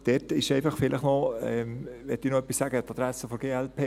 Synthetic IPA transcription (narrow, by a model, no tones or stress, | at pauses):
d̥ɛːtɪʃɛɪfɑχfɪlʔəχnɔɛmʋɛtdiːnɔœpːisːæɡət̪ɑd̥̪ɾæsəfoɾɡeːɛlpʰeː